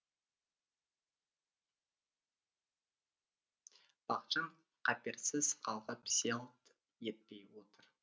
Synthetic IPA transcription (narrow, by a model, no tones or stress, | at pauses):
b̥ɑqʃɑn | qʰɑpeɾsɪzqʰɑlˠʁɑpselˠt̪ | jet̪̚pe̞jwot̪əɾ